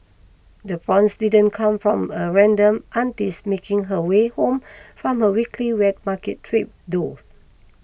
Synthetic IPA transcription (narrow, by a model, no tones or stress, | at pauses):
dəfɹɔ̃nsdidə̃nkʰãmfɹɔ̃məɹɛ̃ndə̃mʔãntismekĩŋɦəwehõmfɹɔ̃məwikʰliwɛd̚makɛtʰːɹip̚doθ